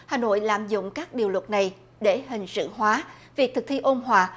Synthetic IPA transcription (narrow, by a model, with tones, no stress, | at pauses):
haː˨˩no̰˧˨jlaː˧˨mzʊ̰˧˨ŋ͡mkaː˦˥k̚ɗi˨˩əwlwə˨˩t̚na˨˩j | ɗe˧˩ɦï˨˩ŋ̟sɨ̰˧˨ɦwaː˨˦vi˨˩ək̚t̪ʰɨ˨˩k̚t̪ʰi˧ʔo˧mɦwaː˨˩